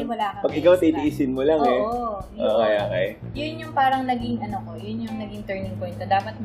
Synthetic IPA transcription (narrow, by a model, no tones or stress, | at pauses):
ɪwɐlaːkɐpɐɡɪkawt̪id̪iʔiːsɪnmolɐŋɛʔoːkejʔoːkɛj | jʊnjʊŋpaːɾɐŋnɐɡɪŋɐnokojʊnjʊŋnɐɡɪŋt̪ɛɹnɪŋpojnt̪od̪aːpɐt̪̚